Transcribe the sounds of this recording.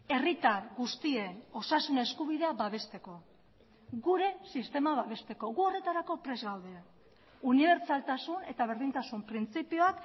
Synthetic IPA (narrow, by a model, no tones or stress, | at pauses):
e̞rit̪aɾɣust̪ie̞no̞sasune̞skuβ̞iðe̞aβaβe̞st̪e̞ko̞ | ɣuɾe̞sist̪e̞maβaβe̞st̪e̞ko̞ɣuo̞re̞t̪aɾako̞pɾe̞zɣawðea | uniβ̞e̞ɾt͡salt̪asune̞t̪aβ̞e̞ɾðint̪asumpɾint͡sipio̞ak